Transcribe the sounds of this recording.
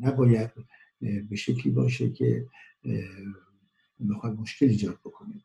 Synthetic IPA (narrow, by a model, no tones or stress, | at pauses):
næbɒːjæd̪̥̚ | be̞ʃe̞cʰliːbɒ̰ːʃ̬ḛkʰḛ | bexɒːjd̪mo̞ʃkʰe̞liːd͡ʒɒːd̪̥̚bokʰo̞ni